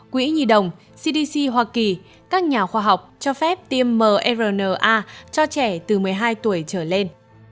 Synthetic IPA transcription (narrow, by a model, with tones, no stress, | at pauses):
kwḭ˨˧˦ɲi˨˩ɗə˨˩wŋ͡m | si˧ɗi˧si˧ɦwaː˧ki˨˩ | kaː˦˥k̚ɲaː˨˩xwaː˧ɦa˨˩wk͡p̚t͡ɕɔ˧fɛ˦˥p̚t̪i˧əmːəː˨˩ʔɛ˧zəː˨˩nəː˨˩ʔaː˧t͡ɕɔ˧t͡ɕɛ˧˩t̪ɨ˨˩mɨ˨˩əjɦaː˧jt̪u˧˩əjt͡ɕəː˧˩le˧n